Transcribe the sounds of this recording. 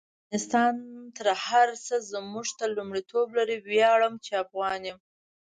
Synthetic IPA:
nɪst̪ɑnt̪əɾhaɾsəzmuʐt̪alumɽit̪ʰoblaɾiwjɑɽəmt͡ʃeafɣɑnem

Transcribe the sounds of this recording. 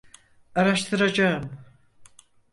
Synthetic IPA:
aɾaʃt̪ʰɯɾad͡ʒaɯm

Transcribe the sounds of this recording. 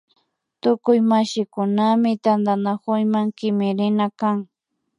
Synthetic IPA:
t̪ʊkʊjmaʃɪkʊnamɪt̪and̪anakʊjmaŋkɪmɪɾɪnakaŋ

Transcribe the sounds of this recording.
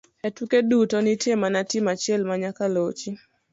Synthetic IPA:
ɛtukedutɔnitjemanatɪmat͡ʃɪɛlmaɲakalot͡ʃi

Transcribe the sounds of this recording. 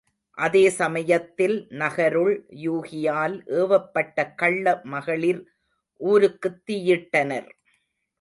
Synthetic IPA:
ʔɐðeːsɐmɐjɐt̪ːɪlnɐɣɐɾɯɭjuːɣɪjaːlʔeːʋɐpːɐʈːɐkɐɭːɐmɐɣɐɭɪɾ | ʔuːɾɯkːɯt̪ːɪjɪʈːɐnɐɾ

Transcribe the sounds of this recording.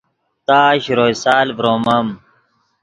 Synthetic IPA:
t̪aːɕɾoːjsaːlvɾoːmɐm

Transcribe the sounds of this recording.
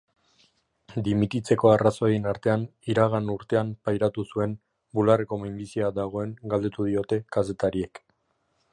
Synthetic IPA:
d̪imit̪it͡se̞ko̞araso̞eenaɾt̪e̞aniɾaɣanuɾt̪e̞ampajɾat̪usue̞n | bulareko̞mimbisiad̪aɣ̞o̞e̞ŋɡald̪e̞t̪uð̞io̞t̪e̞kase̞t̪aɾie̞k

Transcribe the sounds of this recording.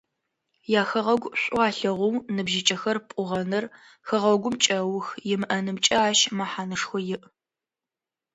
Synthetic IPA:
jaːxɐʁɐɡʷɕʷʼʊaːɬɐʁʷʊwnɨbʒɪt͡ʃʼɐxɐrpʷʼʊʁɐnɨr | xɨʁɐɡʷʊmt͡ʃʼɐwʊxjɪmɨʔɐnɨmt͡ʃʼɐːʃmaħaːnɨʂxʷɔjɪʔ

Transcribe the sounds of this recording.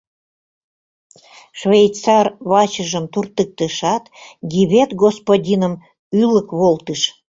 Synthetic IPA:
ʃvʲejt̪t͡sɑrβɑt͡ɕəʒəmt̪urt̪ək̚t̪əʃɑt̪ɡiβet̪ɡospodʲinəm | yləkβolt̪əʃ

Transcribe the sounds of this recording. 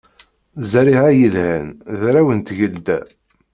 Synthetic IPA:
zɾiʕæjəlhænðɾæwənt̪ʝəld̪æ̰

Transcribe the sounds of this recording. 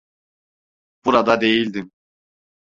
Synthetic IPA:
b̥uɾad̪ad̪e̞jilʲd̪im

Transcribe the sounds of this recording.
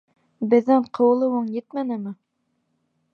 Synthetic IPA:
bɘ̆ðːæɴqʰɤ̆w̆lˠɤwɤɴjɘt̪mænɘmɘ

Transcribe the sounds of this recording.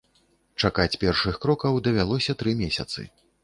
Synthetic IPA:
t͡ʂakat͡sʲpʲɛrʂɨxkɾɔkɐwd̪ɐvʲalˠɔsʲɐt̪ɾɨmʲɛsʲɐ̰t̪sɨ̰

